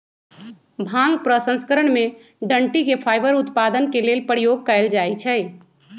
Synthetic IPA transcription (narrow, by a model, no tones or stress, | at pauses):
bʱãŋɡpɾəsə̃nskəɾəɽ̃mẽ | ɖəɳʈikepʰaːɪbəɾʊt̪paːd̪ənkeleːlpəɽijoːɡ̚kəɪld͡ʒaːit͡ʃʰɛ